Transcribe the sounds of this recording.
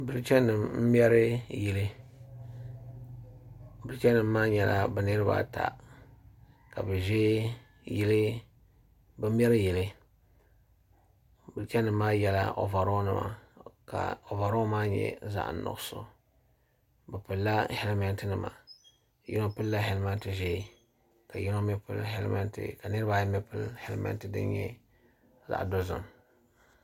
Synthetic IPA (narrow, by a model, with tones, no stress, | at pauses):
bɨ˨lt͡ʃɛ˦nɨ˨mm̩˦m˦ɛ˦ɾɨ˦ji˨lɨ˦ | bɨ˨lt͡ʃɛ˦nːɨ˨mː˦aː˦ɲɛ˨la˦bɨ˨nɨ˦ɾɨ˦ba̰˦ta̰˨ | ka˨bɨ˨ʒɛ˦ | ji˦lɨ˦ | bɨ˦m̩˦ɛ˦ɾɨ˦ji˨lɨ˦ | bɨ˨lt͡ʃɛ˦nːɨ˨mːaː˦jɛ˦la̰˦ʔo̰˨va˨ɾo˦nɨ˦ma̰˨ka̰˨o˨va˨ɾo˦maː˦ɲɛ̰˦za̰˨ʔnɔ̰˨˦so˦ | bɨ˨pɨ˨lːa˦hɛ˦lmɛ˦ntɨ˦nɨ˨ma̰˨ | ji˦no˦pɨ˦lːa˦ɦɛ˦lma˦n˦tɨ˨ʒɛ˦ | ka˨ji˦no˦mɛ˦pɨ̰˦lɦɛ̰˦lma̰˦ntɨ̰˨ka˨nɨ˦ɾɨ˦ba˨jmɛ˦pɨ˦lhɛ˦lma̰˦ntɨ˨dɨ̰˦nɲɛ̰˦ | za̰˨ʔdo˦zʊ̰˨m